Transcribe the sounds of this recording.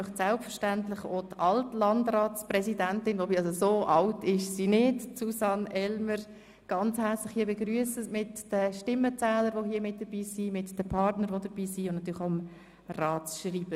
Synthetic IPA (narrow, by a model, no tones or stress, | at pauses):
sɛlpfəʃtæntlɪχoːdʔɑltlɑndrɑːsprɛsidæntɪnvobiɑsosoːʔɑltɪʃsinɪtsusɑnʔɛlməɾ | ɡ̥ɑnt͡shɛɾt͡slɪχhiːəbeɡryəsəmɪtd̥əʃtɪmːət͡sɛːləɾʋoɦiəmɪt̚d̥əb̥iːsimɪtd̥əpʰɑɾtnəɾʋodəb̥iːsiʊntnɑtyːɾlɪaʊəm | rɑːt͡sʃriːb̥ə